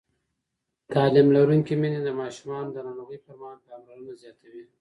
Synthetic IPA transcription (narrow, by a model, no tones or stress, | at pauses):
t̪ɑlimlaɾuŋkimined̪əmɑʃumɑnod̪ənɑɽoɣəjpəɾmɑhɑnpɑmlaɾunazjɑt̪ʰawi